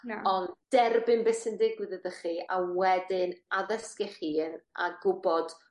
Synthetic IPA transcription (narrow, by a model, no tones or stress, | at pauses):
ɔnd̥ɛrbɪnbɛsəndɪɡwɪðəðəχiːawɛdɪnaðəskɪχiːənaɡʊbɔd̥